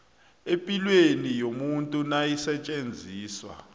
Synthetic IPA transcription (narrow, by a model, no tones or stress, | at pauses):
epʼilwenijomuntʼunajisɛt͡ʃʼend͡zʱiːswa̰